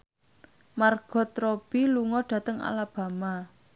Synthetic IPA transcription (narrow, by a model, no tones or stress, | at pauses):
marɡ̥ɔ̤t̪ɾob̥iluŋɔɖ̥ä̤t̪əŋa̰lab̥a̤ma